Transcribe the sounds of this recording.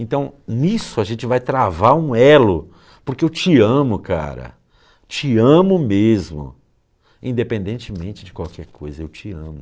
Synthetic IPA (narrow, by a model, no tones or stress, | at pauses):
ẽnt̪ɐ̃w̃nisʊaʒẽnt͡ʃɪvajt̪ɾavaɾũɛlʊ | pʊɾkeewt͡ʃɪɐ̃mʊkʰa̰ɾɐ̰ | t͡ʃɪɐ̃mʊmezmʊ̰ | ĩd̪epẽnd̪ẽnt͡ʃɪmẽnt͡ʃɪd͡ʒɪkwawkʰɛɾkʰojzɐewt͡ʃɪɐ̰̃mʊ